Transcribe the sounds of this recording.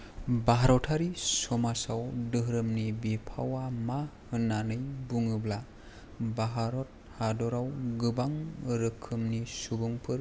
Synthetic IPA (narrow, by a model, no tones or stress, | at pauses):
baɦaɾɔtʰaɾisɔmasawdɯɦɾɯmnibipʰa̰wamahɯnːanɯjbuŋɯbla | baɦaɾɔt̚hadɔɾawɡɯbaŋɾɯkʰːɯmnisubuŋpʰɯɾ